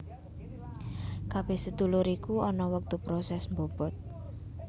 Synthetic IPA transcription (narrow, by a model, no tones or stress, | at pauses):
kab̥ehsəd̪ulʊɾikuɔnɔwək̚t̪upɾɔsɛsmbob̥ɔt̪̚